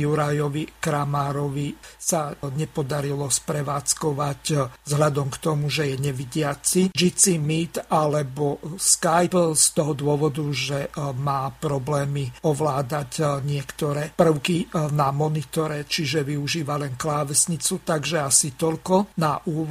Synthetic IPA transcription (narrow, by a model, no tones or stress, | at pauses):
juɾajɔʋikɾamaːɾɔʋisaɲɛpɔd̪aɾilɔspɾɛʋaːt͡skɔʋaczɦlad̪ɔmkt̪ɔmuʒɛjɛɲɛʋiɟɪat͡sid͡ʒit͡simit̪alɛbɔskajpst̪ɔɦɔd̪ʊɔʋɔd̪uʒɛmaːpɾɔblɛːmiɔʋlaːd̪acɲɪɛkt̪ɔɾɛpr̩ʊkinamɔnit̪ɔɾɛt͡ʃiʒɛʋiuʒiːʋalɛnklaːʋɛsɲit͡sut̪aɡʒɛasit̪ɔlkɔnaʔuːʋ